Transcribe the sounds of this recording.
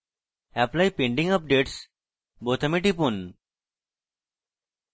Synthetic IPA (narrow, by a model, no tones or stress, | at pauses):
ɛplaiːpeɳɖĩŋɡəp̚ɖeʈs | bot̪ʰəmeʈipuːn